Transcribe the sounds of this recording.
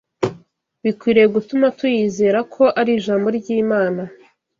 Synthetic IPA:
βikwiːɾejɡutumatujizeːɾakʰo̞ʔaɾiːʒaːmbo̞ɾɟiːmaːna

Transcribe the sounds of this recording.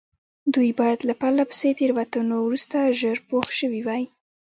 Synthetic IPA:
d̪ujbɑjad̪lapalapə̥set̪eɾwat̪anowɾust̪aʒəɾpoxʃəwiwaj

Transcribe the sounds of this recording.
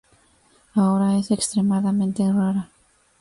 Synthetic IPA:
aɣɾaeθɛkst̪ɾemaðamɛnt̪ɪraɾa

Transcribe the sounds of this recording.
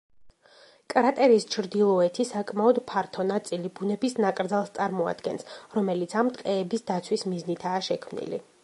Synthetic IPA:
kʼɾat̪ʼɛɾist͡ʃʰɾd̪ilˠɔɛt̪ʰisakʼmaɔd̪pʰaɾt̪ʰɔnat̪sʼilibunɛbisnakʼɾd̪zalˠst̪sʼaɾmɔa̰d̪̥ɡɛnsɾɔmɛlit̪sʰamt̪ʼqʼɛːbisd̪at̪sʰwismiznit̪ʰaːʃɛkʰmnḭlḭ

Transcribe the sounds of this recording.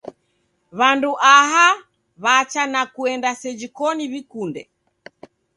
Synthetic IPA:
βanduʔaɦa | βat͡ʃanakuɛndasɛd͡ʒikɔniβikundɛ

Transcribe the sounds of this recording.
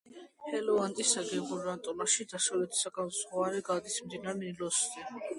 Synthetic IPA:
hɛlɔant̪ʼisːaɡɛbuɾant̪ʼɔlaʃid̪aʃalɛt̪ʰi̥sakʼasʁwaɾɛɡad̪ismd̪inaɾnilɔsd̪ɛ

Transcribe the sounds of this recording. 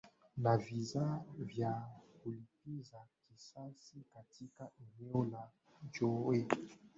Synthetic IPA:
navizavjakolipezakisasikatikaʔeneola | d͡ʒoe

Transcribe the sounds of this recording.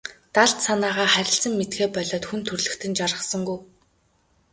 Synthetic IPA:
t̪aɮt̪sanaːʁaːχæɾʲɪ̆ɬsə̆ŋmet̪ɡeːpœɮɔːt̪xunt̪ʰɵrɮɵ̆xt̪ʰɘ̆nt͡ɕarʁə̆sə̆ŋɡuj

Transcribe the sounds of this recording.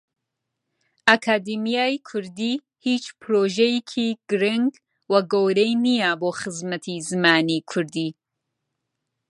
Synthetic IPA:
ʔakʰaːd̪imijaːjkʰʊɾd̪i | hiːt͡ʃpʰɾoːʒejkʰiːɡ̥ɨɾɪŋɡ | wɐɡowɾejnijaboːxɨzmɐt̪ʰizɨmaːnikʰʊɾd̪iː

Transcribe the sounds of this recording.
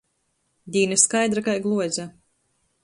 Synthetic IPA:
d̪ʲiːnɨskajd̪ɾakajɡlˠuɔzʲa

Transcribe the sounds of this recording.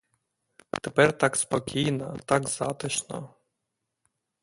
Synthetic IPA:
t̪epɛrt̪ɑkspɔkʲijnɐt̪ɑkzɑt̪ɪʃnɐ̰

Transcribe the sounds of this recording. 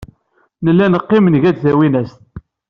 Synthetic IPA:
nəlːænəqːɪmənʝæd̪θæwinæst̪̚

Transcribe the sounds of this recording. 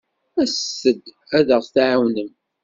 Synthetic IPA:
æsːəd̪ | æðəʁθθʕawnəm

